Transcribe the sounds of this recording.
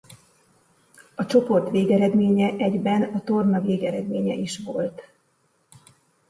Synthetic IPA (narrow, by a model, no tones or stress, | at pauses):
ɒt͡ʃo̞po̞rt̪ʋeːɡɛɾɛd̪meːɲɛʔɛɟbɛnɒt̪o̞rnɒveːɡɛɾɛd̪meːɲɛ̰ʔiʃʋo̞lt̪